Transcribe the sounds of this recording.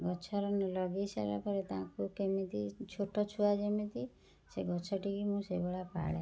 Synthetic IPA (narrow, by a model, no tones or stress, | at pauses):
ɡɔt͡ʃʰɔɾɔnlɔɡisa̰ɾa̰pɔɾet̪ãkukemĩt̪it͡ʃʰoʈɔt͡ʃʰuad͡ʒemĩt̪i | seɡɔt͡ʃʰɔʈikimũsebɔɭapa̰ɽḛ